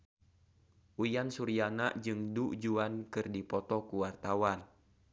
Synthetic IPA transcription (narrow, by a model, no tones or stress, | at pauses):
ʔujansuɾianaʔd͡ʒɨŋduʔd͡ʒuankɨrdipɔt̪ɔkuwart̪awan